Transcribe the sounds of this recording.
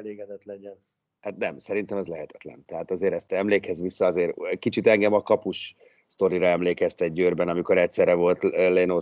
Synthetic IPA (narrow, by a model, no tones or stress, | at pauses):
leːɡɛd̪ɛt̪lɛɲɛn | hat̪nɛmsɛɾint̪ɛmɒzlɛɦɛt̪ɛ̥t̪lɛ̰nt̪ɛɦaːt̪ɒzeːɾɛst̪ɛɛmleːkɛzʋisːɒɒzeːɾkit͡ʃit̪ɛŋɡɛmɒkɒpuʃ | st̪o̞ɾiɾɒɛmleːkɛst̪ɛɟ̚ːøːrbɛnɒmiko̞ɾɛcsɛrɾɛvo̞lt̪leno